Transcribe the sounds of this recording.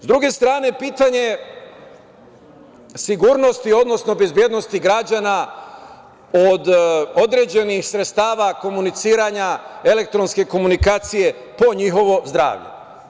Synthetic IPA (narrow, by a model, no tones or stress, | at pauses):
zd̪ɾuɡe̞st̪ɾaːne̞piːt̪aɲe̞ | siɡuːɾno̞st̪io̞d̪no̞sno̞be̞zbje̞d̪no̞st̪iɡɾad͡ʑana | od̪o̞d̪ɾe̞d͡ʑe̞nixsɾet̪st̪aːʋako̞munit̪siːɾaɲae̞lek̚t̪ɾo̞nske̞ko̞munikaːt̪sije̞ | po̞ɲixo̞ʋo̞zd̪ɾa̰ːʋʎḛ